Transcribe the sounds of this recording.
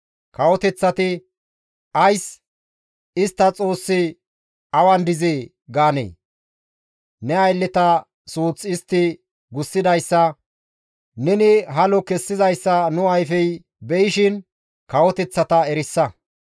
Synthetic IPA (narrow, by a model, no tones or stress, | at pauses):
kɐwɔt̪ɛt͡sːɐt̪ɪ | ɐjs | ɪst̪ːɐt͡sʼo̞ːsːɪ | ɐwɐnd̪ɪzeː | ɡaːnḛː | nɛɐjlːɛt̪ɐ | suːt͡sːɪst̪ːɪ | ɡʊsːɪd̪ɐjsːɐ | nɛnɪɦɐlɔkɛsːɪzɐjsːɐnʊɐjfɛj | bɛjɪʃɪn | kɐwɔt̪ɛt͡sːɐt̪ɐɛɾɪsːɐ